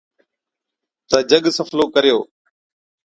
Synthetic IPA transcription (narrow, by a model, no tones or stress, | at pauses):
t̪əd͡ʒəɠsəfʰloːkəɾjo̰ː